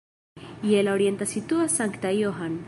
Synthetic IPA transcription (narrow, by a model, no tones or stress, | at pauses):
ielaoɾjent̪asit̪uasaŋkt̪ajoɦan